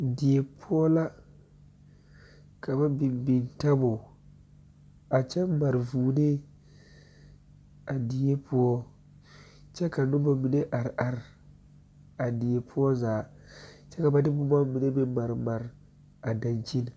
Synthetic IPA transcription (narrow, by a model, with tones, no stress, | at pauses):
di˨je˨pʰʊ˦ɔ˦la˦ | ka˨ba˦bi˨mbi˨nta˦bʊ˨ | a˨t͡ʃɛ˦ma˨ɾvuː˨ne˦ | a˨di˨je˦pu˦ɔ˦ | t͡ʃɛ˦ka˨nʊ˦ba˨mi˨ne˦ʔa˨ɾʔa˨ɾ | a˨di˨je˨pʰʊ˦ɔ˦zaː˨ | t͡ʃɛ˦ka˨ba˦dɪ˦bʊ˦ba˦mi˨ne˦be˦ma˨ɾma˨ɾ | a˨da˨nt͡ʃi˦n˨